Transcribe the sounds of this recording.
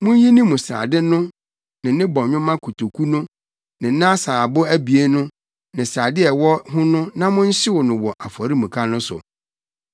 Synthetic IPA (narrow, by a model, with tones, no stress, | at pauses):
mʊ̃˦n˦ji˦nĩ˦mũ˨sa̰ː˨dɪ˦nʊ̃˦ | nɪ̃˨nɪ̃˦bɔ̃˨ɲᶣʊ̃˦mã˦kʰu˨tʰo˨kʰu˦nʊ̃˦ | nɪ̃˨nã˦saː˨bʊ˦æ˦bi˨e˦nʊ̃˦ | nɪ̃˨sa˨dɪ˦ɛ˨wɔ˦ɦʊ̃˦nʊ̃˦nã˦mʊ̃˦n̩˦ɕɪ˦wɔ˨nʊ̃˨wɔ˨ʔa˨fɔ˨ɾi˦mũ˨kʰa˦nʊ̃˦sʊ̰˨